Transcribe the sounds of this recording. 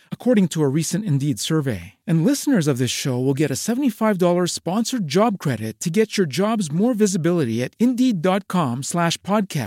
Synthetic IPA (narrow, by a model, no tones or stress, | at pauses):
əkʰɔɹɾɪ̃ŋtʰəəɹisɨ̃ntɨ̃ndidsɜ˞vḛɪɨ̃nˡlɪsnə˞zʌvðɪsʃoʊwɪlˠɡɛɾɨsɛvə̃ntifaɪvdɔlˠə˞spɑ̃nsə˞d͡ʒɑb̚kʰɹ̥ɛɾɪtʰːɨɡɛt͡ʃə˞d͡ʒɑbzmɔɹvɪzɨbɪlˠəɾiɨɾɪ̃ndidɑt̚kʰɑ̃mslæʃpʰɑd̚kʰæ̰s